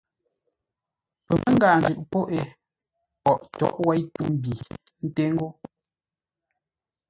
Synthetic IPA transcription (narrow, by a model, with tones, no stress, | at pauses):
pɛ˨mʔɛ˦ŋ̩˦ɡaː˨n˨d͡ʒʉ˨ʔpɔ˦ʔe˨ | pɔ˨ʔtɔ̰˨˦ʔwɛ˦jtu˦m˦˨bi˨ | n̩˦te˦ŋ˦ɡo˦